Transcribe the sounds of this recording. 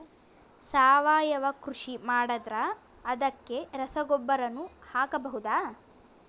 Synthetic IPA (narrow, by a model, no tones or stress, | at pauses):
saːʋaːjɐʋɐkɾuʂimaːɽɐd̪ɾɐː | d̪ɐkːe̞ɾɐsɐɡɔbːɐɾɐnːuhaːkɐbɐɦud̪aː